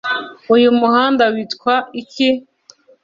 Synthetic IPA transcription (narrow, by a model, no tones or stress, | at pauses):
ujumuhaːndawitkwaiki